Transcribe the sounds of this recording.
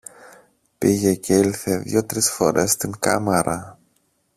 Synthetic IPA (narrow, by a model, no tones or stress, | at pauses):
piʝe̞ceilθe̞ðjo̞t̪ɾisfo̞̰ɾe̞̰st̪iŋkɐ̰meɾʔɐ